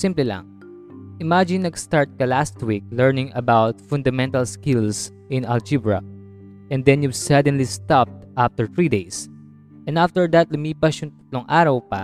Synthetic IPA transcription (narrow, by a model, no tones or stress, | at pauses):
sɪ̃mplɛla̰ŋ | ʔɪmad͡ʒɪ̃nːɐɡst̪aɹt̪̚kɐlast̪wik̚lɛɹnɪ̃ŋɐbawt̪̚fʊ̃nd̪ɐmɛ̃nt̪ɐlskɪls | ʔɪ̃nɐld͡ʒibɹɐ̰ | ʔɛ̃nd̪ɛ̃njubsad̪ɛ̃nlist̪ap̚t̪ʔaft̪ɛɹt̪ɹiːd̪ejs | ʔɛ̃naft̪ɛɹd̪at̪̚lʊmiːpɐʃʊŋt̪ɐ̥t̪loŋʔaːɾɐwpɐ